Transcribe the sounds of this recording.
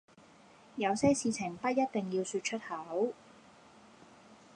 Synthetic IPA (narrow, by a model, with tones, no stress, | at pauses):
jɐ˨˧wsɛː˥siː˧t͡sʰɪ˨˩ŋpɐ˥t̚jɐ˥t̚t̪ɪ˨ŋji˧wsyː˧t̚t͡ʃʰɵ˥t̚hɐ˨˥w